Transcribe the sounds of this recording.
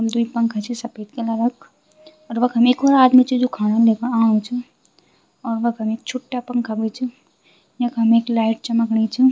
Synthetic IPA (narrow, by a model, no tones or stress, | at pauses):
md̪uipɐ̃ŋkʰɐt͡ʃʰisɐpeːt̪̚kelaɾɐkʰ | ɔːɾʋɐkɦɐmeːkoɾaːd̪mit͡ʃʰid͡ʒokʰaːnalekəãːt͡ʃʰi | ɔːɾʋɐkɦɐmeːk̚t͡ʃʰuʈːapɐŋkʰabet͡ʃʰi | nɐkɦɐmeːklaːɪʈ̚t͡ʃɐməkɳit͡ʃʰi